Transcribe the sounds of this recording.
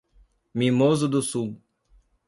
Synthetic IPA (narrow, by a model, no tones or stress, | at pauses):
mĩmozʊd̪ʊsuw